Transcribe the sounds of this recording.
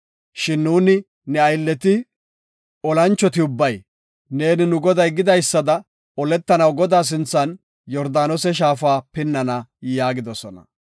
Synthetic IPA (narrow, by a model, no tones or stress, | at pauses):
ʃɪnːuːnɪ | nɛɐjlːɛt̪ɪ | ɔlɐnt͡ʃːɔt̪ɪʊbːɐj | ne̞ːnɪnʊɡɔd̪ɐjɡɪd̪ɐjsːɐd̪ɐ | ɔlɛt̪ːɐnɐwɡɔd̪aːs̬ɪnt͡sːɐn | jɔɾd̪aːnɔsɛʃ̬aːfaːpɪnːɐnɐjaːɡɪd̪ɔsɔnɐ̰